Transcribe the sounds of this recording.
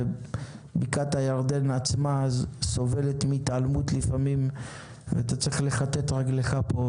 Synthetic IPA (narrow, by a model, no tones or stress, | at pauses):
bikat̪hajaʁd̪e̞nat͡smazso̞ve̞le̞t̪mit̪almut̪lifamim | veat̪at͡sʁiχle̞χat̪e̞t̪ʁaɡleχapo